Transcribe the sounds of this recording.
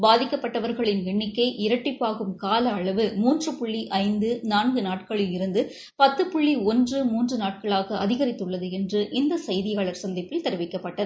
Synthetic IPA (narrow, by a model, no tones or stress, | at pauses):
baːðɪkːɐpːɐʈːɐʋɐɾɣɐɭɪnʋɪɳːɪkːɐɪʔɪɾɐʈːɪpːaːɣɯmkaːlɐːɭɐʋɯmuːndrɯpʊɭːiʔɐɪnd̪ɯnaːnɡɯnaːʈkɐɭɪlɪɾɯnd̪ɯ | pɐt̪ːɯpʊɭːiɔndrɯmuːndrɯnaːʈkɐɭaːɣɐɐðɪɣɐɾɪt̪ːɯɭːɐðɯɛndrɯʔɪnd̪ɐsɐjðɪjaːɭɐɾsɐnd̪ɪpːɪlt̪ɛɾɯʋɪkːɐpːɐʈːɐðɯ